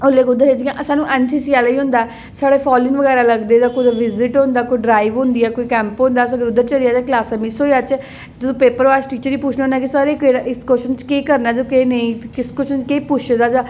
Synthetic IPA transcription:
olːeːkʊd̪əɾed͡ʒɡãːʔsaːnũːʔɛːnsiːsiːɛlaiːɦʊ̃nd̪aɛ | saːɽeːpʰɔːlɪnʋəɡɛːɾaːləɡd̪eːd̪aːkoːd̪aʋɪzɪʈɦõnd̪aːkoiɖɾaːiʋɦʊ̃nd̪iɛːkoːiːkɛ̃ːmpɦõːnd̪aːs̬ãɡəɾʊd̪əɾt͡ʃəlijaːd͡ʒaklaːsaːmisoːiaːt͡ʃɛ | d͡ʒsõːpeːpəɾaːsʈiːt͡ʃəɾiːpuːt͡ʃʰnaõnaɛːk̬ɪsaːɾekeɾʔɪskoʃnt͡ʃkeːkəɾnaːd͡ʒoːkeːnəĩːkɪskʊt͡ʃʰnt͡ʃkeːpʊt͡ʃʰd̪aːd͡ʒaː

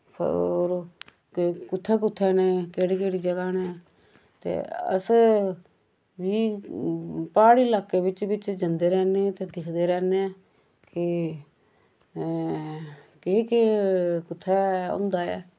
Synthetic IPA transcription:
pʰoːɾ | kʊt̪ʰːɛːk̬ʊt̪ʰːɛːneːkeːɽiːkeːɽiːd͡ʒəɡaːneː | t̪ḛːə̰s | ʋiː | paːɽiːlaːkeːʋɪt͡ʃʋɪt͡ʃd͡ʒənd̪eːɾɛːneːt̪eːd̪ɪkʰd̪eːɾɛːne | kɪ | kekekʊt̪ʰːɛːʊ̰nd̪aːɛ̰ː

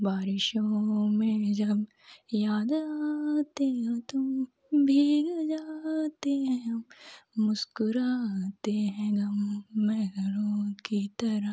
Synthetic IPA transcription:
baːɾɪʃõmẽd͡ʒɐb | jaːd̪at̪eɦt̪o | bʱiːɡd͡ʒaːt̪eɦɛ̃ | mʊskʊɾat̪eɦɛ̃ɡ̪ɐmːɛɦɡəɾõkit̪ɐɾə

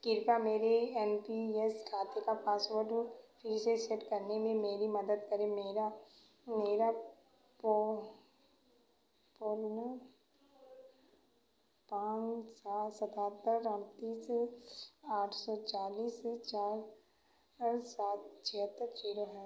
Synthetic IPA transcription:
kɪɾpameːɾeɛnpieskʰaːt̪ekapaːsʋəɾɖfʰɪɾseseʈkɐɾnemẽmeːɾimɐd̪əd̪̚kɐɾemeːɾa | meːɾa | p | pʊɾnə | pãːsaːsɐt̪aːt̪ːəɾəɳt̪iːse | aːʈʰsɔt͡ʃaːliːset͡ʃaːɾ | saːt̪̚t͡ʃʰiɦət̪ːəɾt͡ʃiːɾəɦɛː

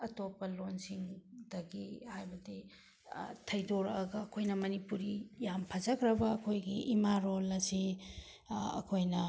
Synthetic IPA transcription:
ɐtopːɐlonsiŋdɐɡihajbɐdi | tʰɐjdoɾɐɡɐːkʰojnɐmɐnipuɾijampʰɐzɐkʰɾɐbɐɐkʰojɡiʔimaɾolɐsi | ɐ̰kʰojnɐ

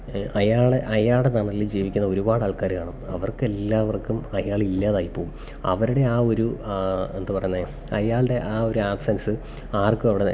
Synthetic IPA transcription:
ɐjaːɭeʔɐjaːɭɽenɐɳɐlːid͡ʑiːʋikʲːunːɐo̞ɾubaːɽɨɐːɭkaːɾkaːɳɨ | ɐʋɐrkɨelːaːʋɐrkːumɐjaːɭilːaːðaːjipːoːm | ɐ̰ʋɐɾuɽe̞aːo̞ɾue̞nd̪ɨpɐrɐjunːe | ɐjaːɭɖe̞ʔaːo̞ɾuaːpsɐnɐsɨ | aːrkːumɐʋiɽe

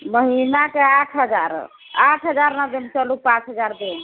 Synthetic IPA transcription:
məɦinakeaʈʰɦəd͡ʒa̰ɾ | aʈʰɦəd͡ʒaɾnad̪iəmt͡ʃɔlupãt͡ʃɦəd͡ʒaɾd̪on

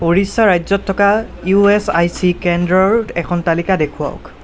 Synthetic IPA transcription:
poɹisaɹajzɔtʰːɔkajuɛsajsikɛndɹɔɹɛkʰɔntalikadekʰuwa̰ʊ̰k

